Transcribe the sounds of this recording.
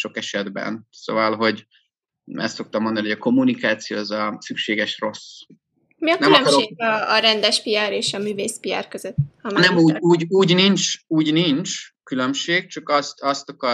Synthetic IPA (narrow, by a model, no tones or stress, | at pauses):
ʃo̞kɛʃɛd̪bɛ̰nso̰vɒlɦo̞ɟ | ɛ̰st̪sok̚t̪ɒmo̞nd̪ɒnihojɒko̞mːunikaːt̪sijo̰ːɛzɒsykʃeːɡɛʃro̞s | miɒknɛylmlømkɒɾoeɒːɾɛnd̪ɛʃpiaɾeːʃɒmyːveːspija̰rkøzøt̪ːhɒmnɛmuːuːɟuːɟnint͡ʃuːɟnint͡ʃkylø̞mʃeːk̚t͡ʃɒkɒst̪ɒst̪ɒkɒ